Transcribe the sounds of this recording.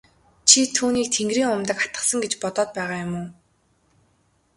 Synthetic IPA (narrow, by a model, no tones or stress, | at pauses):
t͡ɕʰit̪ʰuːniːk̚t̪ʰeŋɡriːŋʊmt̪ə̆kḁt̪ə̥̆χsə̆ŋɡet͡ɕpɔt̪ɔːt̪̚pæːʁaːjʊmʊː